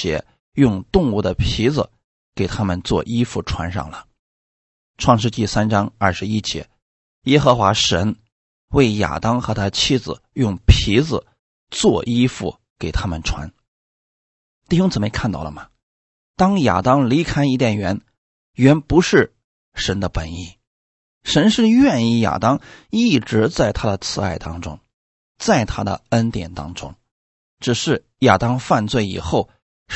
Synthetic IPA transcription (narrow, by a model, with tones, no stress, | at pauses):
jɛ̰˧˥ | jʊ˥˧ŋt̪ʊ˥˧ŋu˥˩d̪ə˩pʰi˧˥d͡zɹ̩˩ | ke˨˩ɪt̪ʰa˥mə˨nt͡swɔ̰˥˧ʔi˥fu˥˩ʈ͡ʂʰwa˧˥nʂɑ̰˥˩ŋlə˩ | ʈ͡ʂʰwɑ˥˧ŋʂ̬ɻ̩˥˧t͡ɕi˥˩sa˥nʈ͡ʂɑ˥ŋɐ˞˥˩ʂɻ̩˧˥i˥t͡ɕjɛ̰˧˥ | jɛ˥xɤ˧˥xwa˧˥ʂə˧˥n | we˥˩ɪja̰˨˩t̪ɑ˥ŋxɤ˧˥t̪ʰa˥t͡ɕʰi˥d͡zɹ̩˩jʊ˥˩ŋpʰi˧˥d͡zɹ̩˧˩ | t͡swɔ˥˧ʔi˥fu˥˩ | ke˨˩ɪt̪ʰa˥mə˨nʈ͡ʂʰwa̰˧˥n | t̪i˥˩ɕjʊ˥ŋt͡sɹ̩˨˩me˥˧ɪa˥˧nt̪ɑ˥˩ʊlə̰˩mɐ˩ | t̪ɑ˥ŋja̰˨˩t̪ɑ˥ŋli˧˥kʰa˥ɪi˥˧t̪jɛ˥˩nɥɛ˧˥n | ɥɛ˧˥npu˧˥ʂɻ̩˥˩ | ʂə˧˥nd̪ə˧pə˨˩ni˥˩ | ʂə˧˥nʂɻ̩˥˧ɥɛ˥˧ni˥˩ja̰˨˩t̪ɑ˥ŋi˥˩ʈ͡ʂɻ̩˧˥t͡sa˥˩ɪt̪ʰa˥d̪ə˨t͡sʰɹ̩˧˥a̰˥˩ɪt̪ɑ̰˥ŋʈ͡ʂʊ̰˥ŋ | t͡sa˥˩ɪt̪ʰa˥d̪ə̰˨ə˥nt̪jɛ̰˨˩nt̪ɑ̰˥ŋʈ͡ʂʊ̰˥ŋ | ʈ͡ʂɻ̩˨˩ʂɻ̩˥˩ | ja̰˨˩t̪ɑ˥ŋfa˥˧nt͡swe˥˩ɪḭ˨˩xo˥˩ʊ